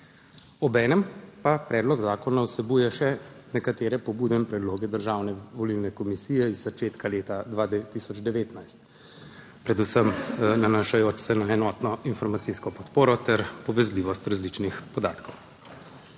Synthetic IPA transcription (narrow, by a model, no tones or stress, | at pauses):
ɔbɛːnɛmpapɾɛːd̪lɔɡzaːkɔnawsɛbujɛʃɛnɛkat̪eːɾɛpɔbuːd̪ɛimpɾɛd̪loːɡɛd̪əɾʒaːwnɛʋɔlilnɛkɔmisiːjɛizːat͡ʃeːt̪kaleːt̪ad̪ʋad̪t̪isɔd͡ʒd̪ɛʋeːt̪najst̪ | pɾɛd̪usəmnanaʃajoːt͡ʃsɛnaɛnɔːt̪nɔinfɔɾmat̪siskɔpɔt̪poːɾɔt̪ɛɾpɔʋɛzliʋɔst̪ɾazlit͡ʃnixpɔd̪aːt̪kʰɔw